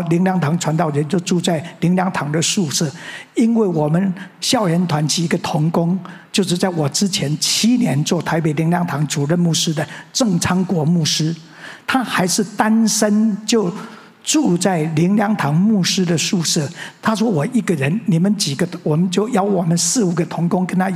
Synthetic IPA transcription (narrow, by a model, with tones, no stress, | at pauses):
li˧˥ŋljɑ˧˥ŋt̪ʰɑ˧˥ŋʈ͡ʂʰwa˧˥nt̪ɑ˥˩ʊɻə˧˦nt͡ɕjo˥˧ʊʈ͡ʂu˥˧t͡sa˥˩ɪli˧˥ŋljɑ˧˥ŋt̪ʰɑ˧˥ŋd̪ə˨ʂu˥˧ʂɤ˥˩i˥nwe˥˩ɪwɔ˨˩mə˦nɕjɑ˥˩ʊɻɛ˧˥nt̪ʰwa˧˥nt͡ɕʰi˧˥i˧˥ɡə˨t̪ʰʊ˧˥ŋkʊ˥ŋt͡ɕjo˥˧ʊʂ̬ɻ̩˥˧t͡sa˥˩ɪwɔ˨˩ʈ͡ʂɻ̩˥t͡ɕʰjɛ˧˥nt͡ɕʰi˥njɛ˧˥nt͡swɔ˥˩t̪ʰa˧˥ɪpe˨˩ɪli˧˥ŋljɑ˧˥ŋt̪ʰɑ˧˥ŋʈ͡ʂu˨˩ɻə˥˧nmu˥˩ʂɻ̩˥d̪ə˨ʈ͡ʂɤ˥˩ŋt͡sʰɑ˥ŋkwɔ˧˥mu˥˩ʂɻ̩˥ | t̪ʰa˥xa˧˥ɪʂɻ̩˥˩t̪a˥nsə˥nt͡ɕjo˥˧ʊ | ʈ͡ʂu˥˧t͡sa˥˩ɪli˧˥ŋljɑ˧˥ŋt̪ʰɑ˧˥ŋmu˥˩ʂɻ̩˥d̪ə˨ʂu˥˧ʂɤ˥˩t̪ʰa˥ʂ̬wɔ˥wɔ˨˩i˥˩ɡə˨ɻə˧˦nni˨˩mə˨˦nt͡ɕi˨˩ɡə˦wɔ˨˩mə˨˦nt͡ɕjo˥˩ʊjɑ˧˩ʊwɔ˨˩mə˨˦nsɹ̩˥˩u˨˩ɡə˨˧t̪ʰʊ˧˥ŋkʊ˥ŋkə˥nt̪ʰa˥